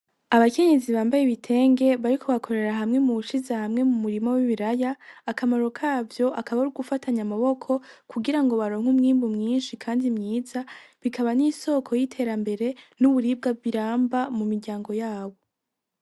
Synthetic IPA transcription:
aβake̞ɲe̞ziβaːmbajeβitʰe̞ːŋɡe̞βaɾikʰo̞βakʰo̞ɾe̞ɾaɦamŋe̞muβuʃizahamŋe̞mumuɾimawiβiɾajaːkamaɾo̞kʰaːvjo̞ʔakaβauɾuɡufatʰaɲamaβo̞kʰo̞kuɡiɾaŋɡo̞βaɾo̞ːŋ̥umŋiːmbumŋiːnʃikʰaːndimɲiːzaβikaβaniso̞kʰo̞jitʰe̞ːɾambe̞ɾe̞nuβuɾib̚ɡaβiɾaːmbamumiɾɟaːŋɡo̞jaːβo̞

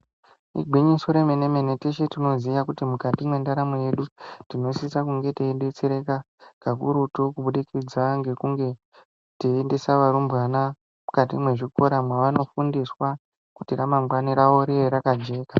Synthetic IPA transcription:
ḭɡʱwiɲisoɾe̞meneme̞neteʃetino̞ziʋakutimukatimwe̞ndaɾamoje̞ɗutino̞sisakuŋɡe̞teiɗet͡seɾe̞ka | kakuɾutokuɓuɗikid͡zaŋɡe̞kuŋɡe̞ | teːndisaʋaɾumbɣana | mukatimwe̞ʐikoɾamwaʋano̞fundiswa | kutiramamɡwaniɾaʋo̞ɾijeɾakad͡ʒe̞ːka

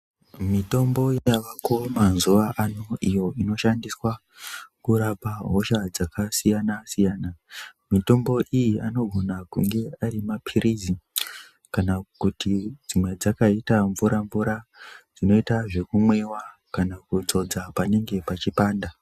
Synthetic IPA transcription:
mito̞mbo̞jaʋako̞manzuʋaʔano̞ʔijo̞ino̞ʃandiswa | kuɾapaɦo̞ʃad͡zakasijanasijaːnamito̞mbo̞ʔijiano̞ɡʱo̞nakuŋɡe̞arimapʰiɾizi | kanakutid͡zimwe̞d͡zakaitaɱvuɾaɱvuɾad͡zino̞itaʐe̞kumwewakanakud͡zo̞d͡zapane̞ŋɡe̞pat͡ʃipaːnda

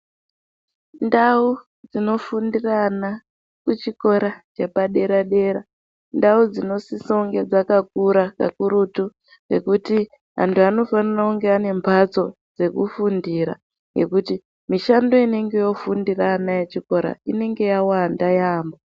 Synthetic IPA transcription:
ndau | d͡zino̞fundirana | kut͡ʃiko̞ɾat͡ʃe̞paɗe̞ɾaɗe̞ɾa | ndaud͡zino̞sisouŋɡe̞d͡zakak̚uɾaka̰kuɾutu | ŋɡe̞̰kuti | ɦa̰ntʰuano̞fanirakuŋɡeane̞mbʱat͡so̞ | d͡ze̞kṵfundiɾa̰ | ŋɡe̞̰kuti | miʃando̞ine̞ŋɡe̞jo̞fundiranajet͡ʃiko̞ɾa̰ine̞ŋɡe̞jawandajaːmbo

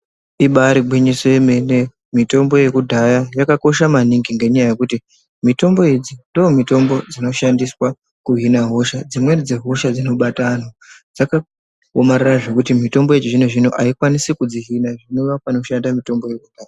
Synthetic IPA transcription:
iɓaɾiɡwiɲisoeme̞ne | mito̞mbo̞je̞kudʱajajakako̞ʃamaniŋɡiŋɡe̞ɲajaje̞kuti | mito̞mbo̞ed͡zindoomito̞mbo̞d͡zino̞ʃandiswa | kuɦinaɦo̞ʃad͡zimwe̞d͡zeɦo̞ʃad͡zino̞ɓatano | d͡zaka | omaɾaraʐo̞kutimito̞mbo̞ed͡ʒiʐine̞ʐinoʔaikwanisikud͡ziɦinaʐino̞ʋapano̞ʃandamito̞mbo̞je̞kud̥ʱaːja

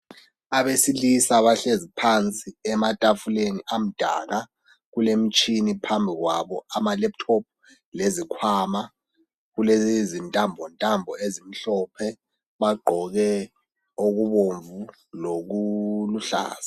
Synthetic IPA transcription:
aβesilisaβaɬezipʰant͡sʼiɛmatʼafuleniʔam̩d̥ʱa̰ːɣa | ɣulem̩t͡ʃʼinipʰambʱiɣwa̰βɔamalɛp̚tʰɔp̚ | lezikʰwaːma | ɣulezintʼambʱɔntʼambʱɔezim̩ɬɔːpʰɛ | βaɡ͡ǃʱɔɣɛ | oɣuβoɱvu | loɣuluɬa̰ːz̥ḁ

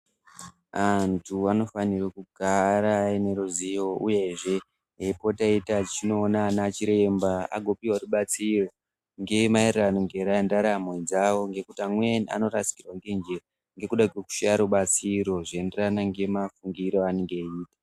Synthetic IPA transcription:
antʰuano̞fanirakuɡʱaɾaine̞ɾuzijo̞uje̞ʐe̞ | ɦepo̞taitat͡ʃino̞ːnanat͡ʃiɾe̞mbaa̰ɡʱo̞piwaruɓat͡siro̞ | ŋɡe̞maereranoŋɡe̞ɾandaɾamwed͡zawo̞ŋɡe̞kutiamwenia̰no̞ɾasi̥kirwaŋɡe̞nd͡ʒera | ŋɡe̞kuɗakweku̥ʃaɾuɓat͡siɾo̞ʐenderanaŋɡe̞mafuŋɡiɾo̞aneŋɡeiːtḁ

